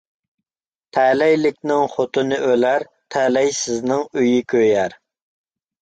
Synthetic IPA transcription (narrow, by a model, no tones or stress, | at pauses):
t̪ʰɛlɛjlɪkʲnɪŋχot̪ɨnɨʔølæɾ | t̪ʰɛlɛjsɪznɪŋøjikʲʰøjæɾ